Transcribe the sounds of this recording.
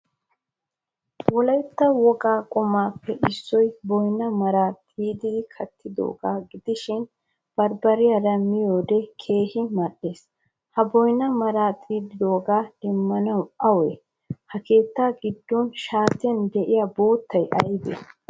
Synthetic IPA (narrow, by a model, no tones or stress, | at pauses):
wɔlɐjt̪ːɐwɔɡaːkʼɔmaːpːɛʔɪsːɔjbɔjnɐmɐɾaːt̪ʼiːd̪ɪd̪ɪkʰɐt̪ʰːɪd̪o̰ːɡaːɡɪd̪ɪʃɪn | b̥ɐɾbɐɾɪjɐɾɐmːɪjoːd̪ɛkʰe̞ːhɪmɐɗeːs | hɐbɔjnɐmɐɾaːt̪ʼiːd̪ɪd̪o̞ːɡaːdɪmːɐnɐwʔɐwe | hɐke̞ːt̪ːaːɡɪd̪ːɔnʃaːt̪ɛnd̪ɛʔɪjɐbo̞ːt̪ːɐjʔɐjb̪ḛː